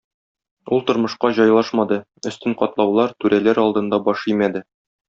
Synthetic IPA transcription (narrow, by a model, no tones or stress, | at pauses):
ulˠt̪ŏɾmɤ̆ʃqɑʑɒjlˠɑʃmɑd̪ɤ | ɵ̆st̪ɘɴqɒt̪lˠɑwlˠɑɾt̪ʉɾʔælæɾɒlˠd̪ɤ̆nd̪ɑbɒʃijmæd̪ɘ